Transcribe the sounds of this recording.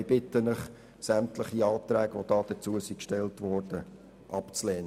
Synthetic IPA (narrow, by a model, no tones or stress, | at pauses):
b̥ɪtːənəχ | sæmtləχiɑːt̪ɾæːɡʋod̥ɑːd̥ət͡suəsikʃtɛltʋɔrd̥ə | ʔɑpt͡slɛːn